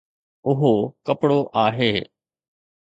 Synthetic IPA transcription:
ʊɦoːkəpɽoːʔaːɦeː

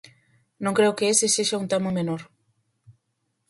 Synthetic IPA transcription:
nõŋkɾewkeeseseʃaunt̪amomenoɾ

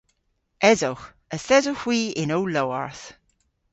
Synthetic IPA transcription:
ɛzox | əsɛzoxwiːɪnowlowa̰ɹθ

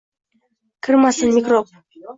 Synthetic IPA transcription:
kʲʰɨrmɑsə̆nmʲikrop̚

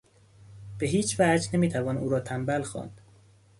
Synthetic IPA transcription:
b̥eɦiːt͡ʃʰvæd͡ʒnemiːt̪ʰævɒːnʔuːɾɒːt̪ʰæmbælxɒ̰ːnd̪̥

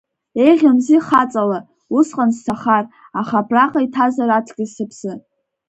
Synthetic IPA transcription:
e̞jʁʲamziχat͡sʼala | usqʼanztʰaχar | aχapʰraqʼaitʰazaratʰɡʲɪzsɨpʰsɨ

